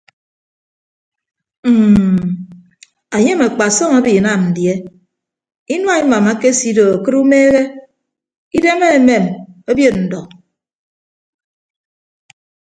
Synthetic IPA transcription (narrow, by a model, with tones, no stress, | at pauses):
m̩˦˨ | a˨ɲe˦me˨k͡pa˨sɔ˦ŋa˦bi˨na˦˨mn̩˨dje˦ | i˦nwa˦i˦ma˨ma˦ke˦si˨˦do˨a˨kɨ˦ɾu˦meː˦ɣe˦ | i˦de˦me˦e˨me˨mo˦bjo˦tn̩˨dɔ˨